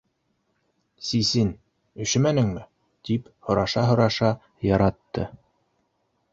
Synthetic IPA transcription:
sisin | ɵ̆ʃɘ̆mænɘ̆ŋmɘ | t̪iphŏɾɑʃɑɦŏɾɑʃɑ | jɑɾɑt̪ːɤ

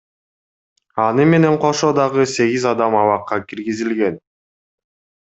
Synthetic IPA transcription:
ɑnɯme̞ne̞ɴqʰo̞ʃo̞d̪ɑʁɯse̞ɡizɑd̪ɑmɑβɑqːɑkiɾɡizilɡe̞n

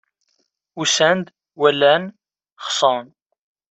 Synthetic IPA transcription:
usænd̪ | wælːæn | χsˤɑn

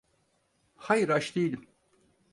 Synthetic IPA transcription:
hajɯɾaʃd̪ejilʲim

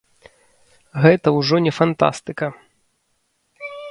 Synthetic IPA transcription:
ɣɛt̪ɐwʐɔnʲɛfant̪a̰st̪ɨkɐ

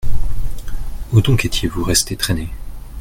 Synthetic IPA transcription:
ud̪ɔ̃kɛt̪ʰjevuʁɛst̪et̪χɛne

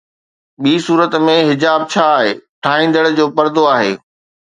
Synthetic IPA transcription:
ɓiːsuːɾət̪mẽɦɪd͡ʑaːb̚t͡ɕʰaːɦḛːʈʰaːɦĩːnd̪əɽd͡ʑoːpɐɾd̪oaːɦḛː

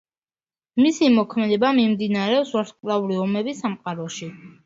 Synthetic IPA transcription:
misimɔkʰmɛd̪ɛbamimd̪inaɾɛɔpsvaɾt̪kʼlˠauɾiɔmɛbisamqʼaɾɔʃi

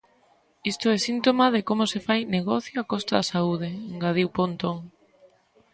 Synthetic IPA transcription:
ist̪oɛsint̪omað̞ekomʊsefajneɣɔθjoakɔst̪aðasauð̞eeŋɡað̞iwpont̪oŋ

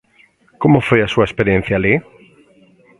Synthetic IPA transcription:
komofweasuaespeɾjẽn̟θjali

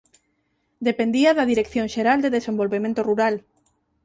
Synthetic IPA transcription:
d̪epend̪iaðaðiɾekθjõŋʃeɾald̪eðesembolβemẽnt̪oruɾal

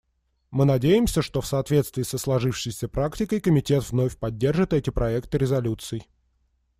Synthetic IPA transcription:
mɨnɐdʲejɪmsʲəʂt̪o̞fsɐːt̪vʲe̞t̪st̪vʲɪːsəslˠɐʐɨfʂɨjsʲəpɾaktʲɪkəjkəmʲɪtʲe̞t̪vno̞fʲpɐdʲːe̞rʐɨt̪ɛtʲɪpɾʔɐɛkt̪ɨɾʲɪzɐlʲut̪sɨɪ

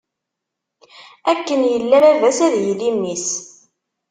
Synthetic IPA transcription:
ækːənjəlːæɾævæsæðjlimːis

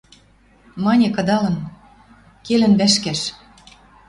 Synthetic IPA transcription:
mɑnʲĕkɤ̆d̪ɑlɤ̆n | kelɘ̆nβæʃkæʃ

